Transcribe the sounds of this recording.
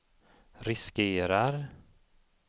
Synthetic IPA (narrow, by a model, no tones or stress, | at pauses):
ɾɪskeːɾaɾ